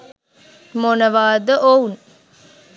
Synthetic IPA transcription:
monəʋaːd̪əʔoun

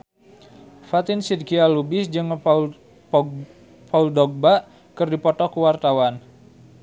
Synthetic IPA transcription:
fat̪ɪnsid̪kialubɪsd͡ʒɨŋ | pauldɔɡ̚baʔ | kɨrdipɔt̪ɔkuwart̪awan

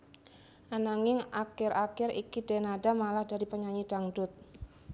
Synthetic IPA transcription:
ʔanaŋɪŋakɪrakɪɾḭkidenadamalahdaɾipəɲaɲid̥aŋdʊt̪̚

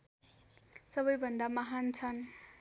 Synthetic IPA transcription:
sʌbʌjbʱʌnd̪amʌɦant͡sʰʌn

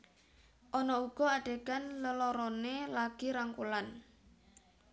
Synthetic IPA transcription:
ʔɔnɔuɡ̥ɔ̤aɖ̥e̤ɡanləlɔɾɔnelaɡ̥iɾaŋkulan

